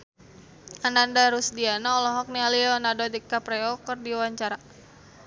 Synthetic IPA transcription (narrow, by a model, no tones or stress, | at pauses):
anandaɾusdianaːlɔɦɔk̚nialiɔnadodikapɾɛɔkərdiwaɲt͡ʃaɾa